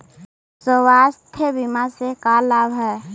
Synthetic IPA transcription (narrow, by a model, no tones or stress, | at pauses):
sowast̪ʰebimasekaːlːaːbɦɛ